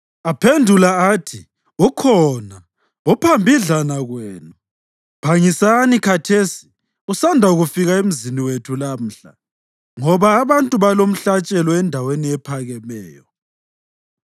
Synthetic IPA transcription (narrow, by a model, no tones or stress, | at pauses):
apʰendʱulaatʰi | ukʰɔna | upʰambʱiɮanaɣweːnu | b̥ʱaŋisanikʰatʰesi̥ | usandʱauɣufiɣaem̩ziniwetʰulam̩ːɬa̰ | ŋɔβaːβantʼuβalom̩ɬat͡ʃʼɛlɔɛndʱaweniɛpʰaɣɛmɛːjɔ